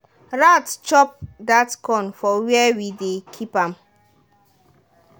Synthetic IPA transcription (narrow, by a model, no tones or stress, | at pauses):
ɹatt͡ʃɔp̚datkɔ̃nfɔwiɛwidekʰipãm